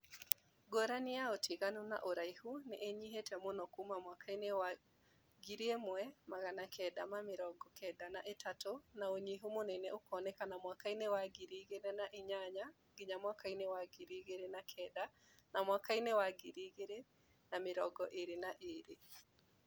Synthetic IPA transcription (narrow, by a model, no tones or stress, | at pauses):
ɡoɾanɪaotiɣanona̰ʔoɾaihunɛʔeɲiɦetɛmonɔkumamwakʰainewa | ɡiɾiemwɛmaɣanakʰɛdamamɪɾɔɡɔkʰɛdanaʔetatonaoɲiɦumonɛnɛokɔnɛkanamwakainewaɡiɾiɣenɛnaʔiɲaɲa | ɡɪɲamwakainɛwaɡiɾiɣeɾenakʰɛda | namwakainɛwaɡiɾiɣeɾe | namɪɾɔɡɔʔeɾenaʔeɾe